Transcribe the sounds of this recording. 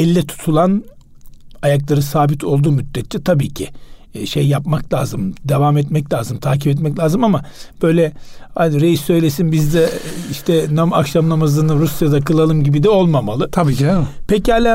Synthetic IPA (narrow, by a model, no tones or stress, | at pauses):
ɛlʲiːɛt̪ʰu̥t̪ʰulˠan | ajaklˠaɾɯsaːbit̪ʰo̞lˠd̪uːmyd̪̥ːɛt̪t͡ʃɛt̪ʰabiːcʰḭʃejːap̚maklʲˠaːzɯmd̪evamɛt̪mɛclʲaːzɯmt̪ʰaːcʰipɛt̪mɛclʲaːzɯmamab̥ø̞jlʲɛhad̪ɾejisːø̞jlʲesinbizd̪ɛiʃt̪ʰɛnamakʃamnamazɯnɯɾusjad̪akʰɯlˠalˠɯmɟibid̪ɛo̞lˠmamalˠɯt̪ʰabipʰɛchalʲa